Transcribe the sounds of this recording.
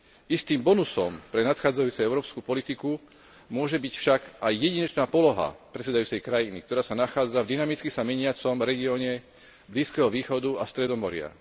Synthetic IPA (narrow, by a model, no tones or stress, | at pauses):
ist̪iːmbɔnusɔmpɾɛnat̪xaːd͡zajuːt͡sɛɛʊɾɔːpskupɔlit̪iku | mʊɔʒɛbicfʃaɡajːɛɟiɲɛt͡ʃnaːpɔlɔɦa̰pɾɛsɛd̪ajuːt͡sɛjkɾajinḭkt̪ɔɾaːsanaxaːd͡zavd̪inamit͡skisamɛɲɪat͡sɔmɾɛɡiɔːɲɛ | bliːskɛɦɔʋiːxɔd̪uast̪ɾɛd̪ɔmɔɾɪa̰